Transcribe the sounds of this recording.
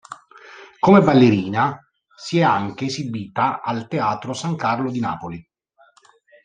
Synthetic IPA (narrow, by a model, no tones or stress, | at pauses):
komebalːeɾiːna | siɛaŋk̟eːsibiːt̪aalt̪eaːt̪ɾosaŋkarlod̪ina̰ːpoli